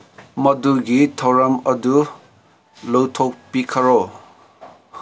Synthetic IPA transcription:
mʌduɡit̪ʰɔwɾamʌd̪u | lowt̪ʰok̚pikʰɐɾo

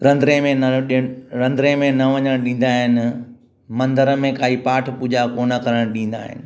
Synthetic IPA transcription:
ɾɐ̃nd̪ɾẽmẽnɐɗɾɐ̃nd̪ɾẽmẽnɐʋɐɲəɽ̃ɗĩːn̆d̪aːɦɪnɪ̆ | mɐ̃nd̪əɾəmẽkʰaːipaːʈʰpuːd͡ʑakoːnəkɐɾəɽ̃ɗĩːn̆d̪a̰ːɦɪ̰nɪ̆

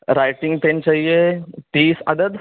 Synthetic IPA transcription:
ɾajʈiŋɡt̪ãɲt͡ɕajeʈiːsa̰d̪əd̪

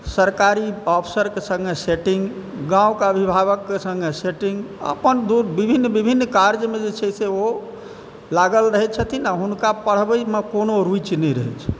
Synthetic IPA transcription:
səɾkaɾiɔpʰsəɾkesə̃ŋɡeseʈĩŋɡɡãukeəbʱibʱaβəkːesə̃ŋɡeseʈĩŋɡə̰pənd̪uɾbibʱinːbibʱinːkaɾd͡ʒmed͡ʒet͡ʃʰɛseo | laɡəlɾəɦɛt͡ʃʰət̪ʰinaɦunkapəɽ̤bəjmekonoɾujt͡ʃnɛjɾəɦɛt͡ʃʰɛ̥

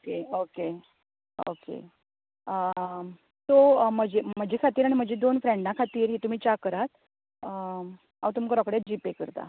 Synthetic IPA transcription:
okeoke | o̰kḛ | t̪om̤əd͡ʑem̤əd͡ʑʱekʰat̪iːɾaɽ̃im̤əd͡ʑed̪onfɾeɳɖãkʰat̪iːɾɦet̪um̤iːt͡ɕakəɾat̪̚ | a̰ʋt̪umkəɾɔkɽjat̪̚d͡ʑipekəɾt̪a̰

